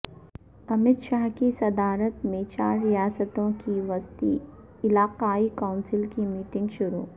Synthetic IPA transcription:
ɐmɪd̪ʃaːɦkisɐd̪aːɾət̪mẽt͡ʃaːɾːijaːsət̪õkiʋɐst̪ḭ | ɪlaːqaːikaːʊnsɪlkimiːʈɪ̃ŋɡʃʊɾṵː

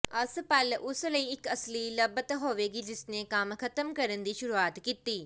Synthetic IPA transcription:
ɐspɐlʔʊslɐiːɪkɐslilɐbət̪ɦoːʋeːɡiːd͡ʒɪsnekaːmkʰɐt̪əmkɐɾənd̪iːʃʊɾuaːt̪kit̪iː

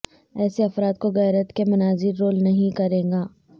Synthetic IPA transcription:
ɛːseɐfɾaːt̪̚koɣɛːɾət̪kemʊnaːzɪɾːoːlnɐɦĩkɐɾẽːŋɡaː

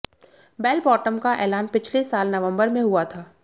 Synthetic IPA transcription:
bɛːlbɔːʈəmkaʔɛːlaːnpɪt͡ʃʰlesaːlnɐʋə̃mbəɾmẽɦuat̪ʰaː

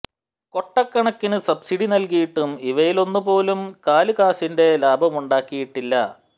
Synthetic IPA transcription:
ko̞ʈːɐkːɐɳɐkːinɨsɐbsiɽinɐlkijiʈːumiʋɐjilo̞nːupo̞ːlumkaːlɨkaːsinde̞laːbʱɐmuɳɖaːkːijiʈːilːɐ̰

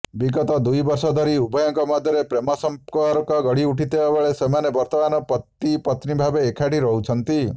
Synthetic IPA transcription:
biɡɔt̪ɔd̪ujbɔɾsɔd̪ʱɔɾiubɔjɔŋkɔmɔd̪ʱjɔɾepɾemɔsɔmkɔɾkɔɡɔɽiuʈʰit̪ebabeɭesemanebɔɾt̪ɔmanɔpɔt̪ːipɔt̪nibʱabeːkʰaʈiɾɔɦut͡ʃʰɔnt̪i

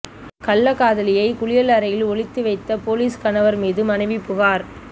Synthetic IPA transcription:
kɐlːɐkaːðɐlɪjɐɪkʊɭɪjɐlɐɾɐjɪlɔɭɪt̪ːɯʋɐɪt̪ːɐpoːliːskɐnɐʋɐɾmiːðɯmɐnɐɪʋipːʊɣaːɾ

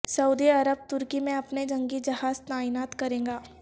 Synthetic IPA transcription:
sɐuːd̪iɐɾəb̚t̪ʊɾkimẽɐpned͡ʒɐ̃ŋɡid͡ʒɐɦaːzt̪aːɪnaːt̪kɐɾẽːŋɡaː

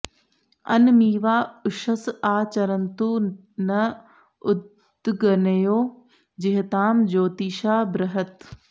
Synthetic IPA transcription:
ɐ̰nmiːʋaːʊʃəsaːt͡ɕɐɾənt̪uː | nɐ | ʊd̪ | ɡɐnɐjoː | d͡ʑɪɦɪt̪aːmd͡ʑoːt̪iːʃaːbɾɐɦət̪

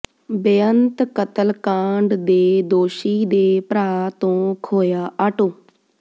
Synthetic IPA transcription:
bɪjənt̪kət̪əlkãːɳɖd̪eːd̪oːʃiːd̪eːpɾaːt̪õːkʰoːjaːʔaːʈoː

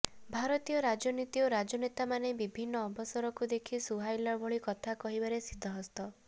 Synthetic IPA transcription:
bʱaɾɔt̪ijɔɾad͡ʒɔnit̪iɔɾad͡ʒɔnet̪amanebibʱinːɔːbʱɔsɔɾɔkud̪ekʰisuɦajlɔbʱɔɭikɔt̪ʰakɔɦibaɾesid̪ʱːɔɦɔst̪ɔ

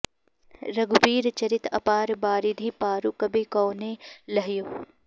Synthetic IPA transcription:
ɾɐɡbiːɾt͡ʃɐɾɪt̪ʰɐ̰paːɾbaːɾid̪ʱiːpaːɾukɐbʱekoːnelɐɦjoː

